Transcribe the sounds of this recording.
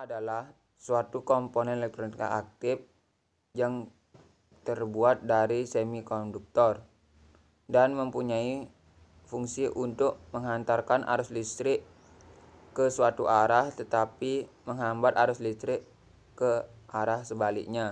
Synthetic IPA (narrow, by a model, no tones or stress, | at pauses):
adalah | suat̪ukɔmponɛnɛlɛk̚t̪ɾonika̰ak̚t̪ɪf | jaŋ | t̪ərbuat̪̚daɾisɛmikɔnduk̚t̪ɔr | danməmpuɲai | fuŋsiʔunt̪ʊk̚məŋɦant̪arkanʔa̰ɾʊslist̪ɾɪʔ | kəsuat̪uʔaɾaht̪ət̪apiməŋɦambat̪aɾʊslist̪ɾɪk | kəʔaɾahsəbalɪ̰k̚ɲa